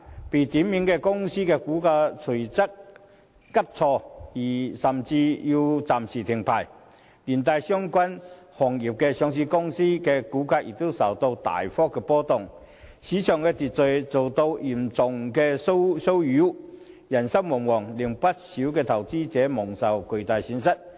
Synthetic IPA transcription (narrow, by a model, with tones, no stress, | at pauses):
pe˨˩t̪iː˨˥mmiː˨˥nkɛ˧kʊ˥ŋsiː˥kɛː˧kuː˨˥kaː˧t͡sʰɵ˨˩t͡sɐ˥k̚ː | ɐ˥p̚t͡sʰɔː˧jiː˨˩sɐ˨˩mt͡siː˧ji˧t͡saː˨msiː˨˩t̪ʰɪ˨˩ŋpʰa̰ː˨˩j | liː˨˩nt̪aː˧jsœː˥ŋkʷɐ˥nhɔː˨˩ŋjiː˨˩p̚kɛː˧sœː˨˧ŋsiː˧kʊ˥ŋsiː˥kɛː˧kuː˨˥kaː˧k̚jḭ˨k̚t̪o˥wsɐ˨˩wt̪o˧wt̪a̰ː˨˩jfɔː˥kːɛ˧pɔː˥t̪ʊ˨ŋ | siː˨˥t͡ʃʰœː˨˩ŋkɛː˧t͡siː˨t̚t͡sɵ˨ɥt͡so˨wt̪o˧wjiː˨˩mt͡sʊ˨ŋkɛː˧so˥wso˥wjyː˨˥ | jɐ˨˩nsɐ˥wmɔ˨˩ŋwɔː˨˩ŋlɪ˨˩ŋpɐ˥t̚siː˨˥wkɛː˧t̪ʰɐ˨˩wt͡siː˥t͡sɛː˨˥mʊ˨˩ŋsɐ˨wkɵ˨˧ɥt̪aː˨jsy˨˧˥nsɐ˥t̚